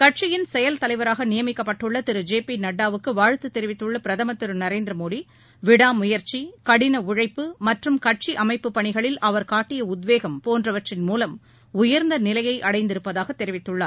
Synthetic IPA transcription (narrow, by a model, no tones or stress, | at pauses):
kɐʈ̚t͡ʃɪjɪnsɛjɐlt̪ɐlɐɪʋɐɾaːɣɐnɪjɐmɪkːɐpːɐʈːɯɭːɐt̪ɪɾɯd͡ʒeːpinɐɽːaːʋɯkːɯʋaːɻɯt̪ːɯt̪ːɛɾɪʋɪt̪ːɯɭːɐpɪɾɐðɐmɐt̪ːɪɾɯnɐɾeːnd̪ɾɐmoːɽi | ʋɪɽaːmʊjɐɾt͡ʃikɐɽɪnɐʊɻɐɪpːɯmɐʈrɯmkɐʈ̚t͡ʃiʔɐmɐɪpːɯpːɐɳɪɣɐɭɪlʔɐʋɐɾkaːʈːɪjɐʊd̪ʋeːɣɐmpoːndrɐʋɐʈrɪnmuːlɐm | ʊjɐɾnd̪ɐnɪlɐjɐɪʔɐɽɐɪnd̪ɪɾɯpːɐðaːɣɐt̪ːɛɾɪʋɪt̪ːɯɭːaː